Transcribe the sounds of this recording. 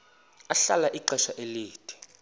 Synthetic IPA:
aɬalaʔiǃɛʃaʔeliːd̥ʰʱʼi̥

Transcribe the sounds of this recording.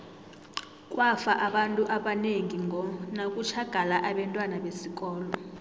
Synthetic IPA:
kʼwafaʔaɓantʼuʔaɓaneŋʱiŋɡʱɔnakʼut͡ʃʰaɡ̥ʱalaʔaɓɛntʼwanaɓesik̬ʼɔːlɔ

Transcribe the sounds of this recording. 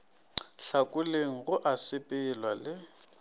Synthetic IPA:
ɬakʼʊleŋ̩ɣʊʔasɪpʼɪlwalɪ

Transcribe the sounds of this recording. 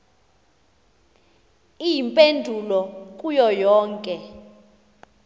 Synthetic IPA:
ijimpʼendʱulɔkʼujɔjɔːŋkʼɛ

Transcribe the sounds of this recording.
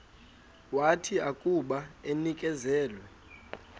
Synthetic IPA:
watʰiakʼuɓaenikʼɛzɛːlwɛ

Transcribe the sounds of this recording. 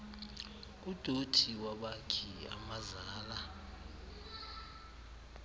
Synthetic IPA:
ud̥ʱotʰiwaɓakʰia̰mazaːla

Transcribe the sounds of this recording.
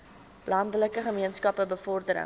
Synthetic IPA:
lɐndələkəχəmiənskɐpəbəfɔrdəɾə̰

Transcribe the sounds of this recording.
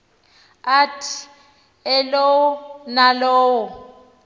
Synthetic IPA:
atʰ | ɛlowʊnaloːwʊ

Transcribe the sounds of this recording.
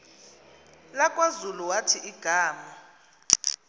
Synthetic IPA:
lakʼwazuluwatʰiʔiɡ̥ʱaːma

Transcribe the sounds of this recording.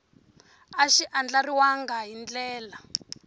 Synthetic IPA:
aʃiʔand͡ɮariwaŋɡaɦind͡ɮɛːla

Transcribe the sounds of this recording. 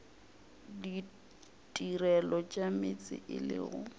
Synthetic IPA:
di | tʼirɛlɔt͡ʃʼamɪt͡sʼɪ̰ʔɪlɪ̰ːɣʊ

